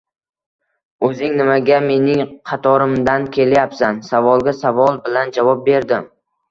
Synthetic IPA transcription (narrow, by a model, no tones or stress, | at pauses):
ɵzɪŋnɪmaɡʲame̞nɪŋqʰɑt̪ʰɒɾɪmd̪ankʲʰe̞ljapsansavɒlˠɡʲasavɒlˠbɪland͡ʒavɒp̚be̞ɾd̪ɪm